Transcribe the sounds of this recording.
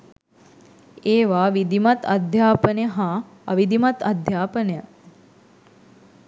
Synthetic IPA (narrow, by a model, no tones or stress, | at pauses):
eːʋaːʋid̪imat̪ɐ̰d̪ʱjaːpənjəɦa | ɐʋid̪imat̪ɐd̪ʱjaːpənejə